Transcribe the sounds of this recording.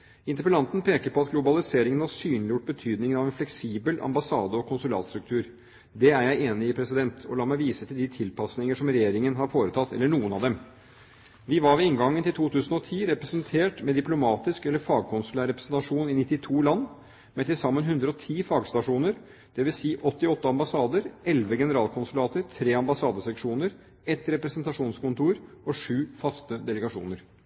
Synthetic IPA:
ɪnt̪əɾpəlɑnt̪n̩pʰeːkəɾpɔɑt̪ɡlʊbɑlɪseːɾɪŋənhɑsyːnlɪjʊʈ̚bət̪ʰyːd̪nɪŋəɑʋɛnflɛksiːbəlʔɑ̰mbɑsɑːd̪əɔkʰʊnsʉlɑ̰ːt̪st̪ɾʉk̚t̪ʰʉːɾ | d̪ɛæɾjæɪeːnɪɪpʰɾɛsɪd̪ɛnt̪ʰɔlɑːmæɪʋiːsət̪ʰɪld̪ɪt̪ʰɪlpɑsnɪŋəʂɔmɾɛjeːɾɪŋənɦɑɾfoːɾət̪ʰɑt̪ːɛ̰lːəɳuːənɑʋd̪ɛm | ʋɪʋɑɾʋɪɪŋɡɑŋːənt̪ɪlt̪ʰuːt̪ʰʉːsənɔt̪ʰiːɾɛpɾɛsənt̪ʰeːʈmɛd̪ɪplʊmɑːt̪ɪskɛlːəɾfɑːɡ̚kʰʊnsʉlæːɾɛpɾəsnt̪ɑʂuːnɪnɪt̪ːɪt̪ʰuːlɑnː | mɛt̪ɪsɑmːənɦʉnd̪ɾəɔt̪ʰiːfɑːɡst̪ɑʂuːnəɾ | d̪̥ɛʋɪlsiːʔɔt̪ːɪɔt̪ːəɑmbɑsɑːd̪əɾɛlʋəɡɛnəɾɑːlkʰʊnsʉlɑːt̪əɾt̪ʰɾeːɑmbɑsɑːd̪əsɛkʂuːnəɾ | ɛt̪ɾɛpɾɛsənt̪ɑʂuːnskʊnt̪uːɾɔʂʉːfɑst̪əd̪ɛləɡɑʂṵːnəɾ

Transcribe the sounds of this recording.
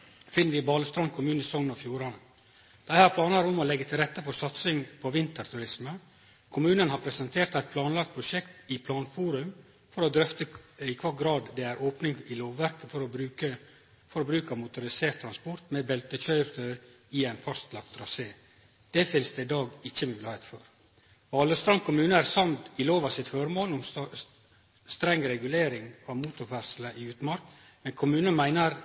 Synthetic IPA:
fɪnːəɾʋɪbɑːləst̪ɾɑnkʰʊmʉːnəsɔŋːnɑfjuːɾɑnə | d̪̥ɑhæːɾpʰlɑːnɑɾʊmɔlɛɡːət̪ʰɪlɾɛt̪ːəfɔsɑt̪sɪŋpʰɔʋɪnt̪əɾt̪ʰʉɾɪsmə | kʰʊmʉːnənhɑpʰɾɛsənt̪ʰeːɾt̪æɪt̪̚pʰlɑːnlɑk̚t̪̚pʰɾʊʃɛkt̪ɪpʰlɑːnfuːɾʉm | fɔɾɔd̪ɾœft̪əɪkʰʋɑːɡɾɑːd̪ːɛæɾʔoːpnɪŋɪloːʋʋæɾkəfɔɾɔə | fɔɾɔbɾʉːkəmʊt̪ʊɾɪseːɾʈt̪ʰːɾɑnspɔɾt̪mɛbɛlt̪əçœʏɾəɾ | ɪæɪnfɑst̪lɑk̚t̪ʰːɾɑseː | d̪̥ɛfɪnsd̪ɛɪd̪ɑːɡɪçːəmʉːlɪheɪt̪fɔɾ | ɑːləst̪ɑŋkʰʊmʉːnəæɾsɑnt̪ɪloːʋɑsɪt̪føɾmoːlʊm | st̪ɾɛŋːɾɛɡʉleːɾɪŋɑʋmuːt̪ʊɾfæɾsləʔɪʉːt̪mɑɾk | mɛnkʰʊmʉːnəmæɪnəɾ

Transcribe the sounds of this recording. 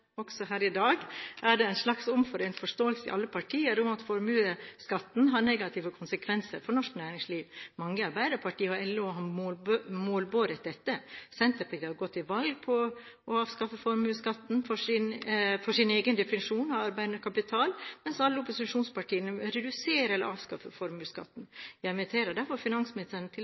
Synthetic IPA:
ɔksɔɦæːɾɪd̪ɑːɡʔæɖɛæɪnʂlɑksʊmfɔɾɛnfɔʂt̪oːəlsəɪ̰ʔɑ̰lːəpʰɑʈʰiːəɾʊmɑt̪fɔɾmʉːəskɑt̪ːn̩ɦɑɾɳɛɡɑt̪ʰɪʋəkʰʊnsəkʰʋɛnsəɾfɔɾɳɔʂknæːɾɪŋsliːʋmɑŋːəɑɾbæɪd̪əɾpʰɑʈʰiːəɔɛlːoːɦɑ | moːlboːɾət̪̚d̪ɛt̪ːəsɛnt̪əɾpʰɑiːhɑɾɡɔt̪ːɪʋɑlɡ̚pʰɔ | ʔɔɑːʋskɑfəfɔɾmʉːskɑt̪ːn̩fɔʂɪnfɔʂɪneːɡənd̪ɛfɪnɪʂuːnɑɑɾbæɪd̪nəkʰɑpɪt̪ʰɑːlmɛnsɑlːəʊpʊsɪʂuːnspɑʈʰiːənəɾɛd̪ʉseːɾəɛlːə̰ʔɑːʋskɑfːəfɔɾmʉːskɑ̰t̪ːn̩jæmɪt̪ʰeːɾəd̪æɾfɔɾfɪnɑnsmɪnɪsənət̪ʰɪ

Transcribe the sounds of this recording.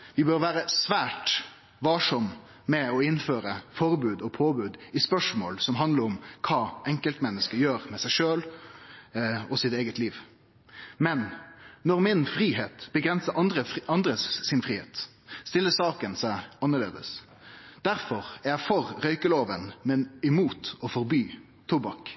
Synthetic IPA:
ʋɪbøːɾʋæːɾəsʋæːʈ | ʋɑʂɔm | mɛɔɪnføːɾəfɔɾbʉːd̪ɔpʰoːbʉːd̪ɪspœʂmo̰ːlsɔmɦɑnd̪ləɾɔmkʰɑːɛŋkəlt̪mɛnːəskəjøːɾmɛsæɪʂøːl | ɔsɪt̪eːɡət̪liːʋ | mɛnːɔʁmɪnfɾiːɦeːt̪b̥əɡʁɛnsəɑd̪ɾəɑnd̪ɾəsɪnfʁiːhḛːt̪ | st̪ɪlːəsɑːkənsæɪɑnːəɾlḛːd̪ə̰s | d̪̥æɾfɔʁæɾjæɪfɔɾɾœʏkəloːʋənmɛnɪmuːt̪ɔfɔɾbyː | t̪ʰʊbɑk

